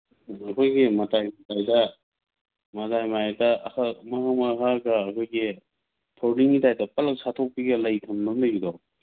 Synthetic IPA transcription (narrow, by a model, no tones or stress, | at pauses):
ɐkʰojɡimɐtajmtajdɐ | mɐtajmaajdɐhamɐhamaɦaɡɐːkʰojɡi | tʰoɾdiŋitajdɐpɐlɐk̚satʰok̚piɡɐlɐjtʰɐmnɐmdaɡidɔ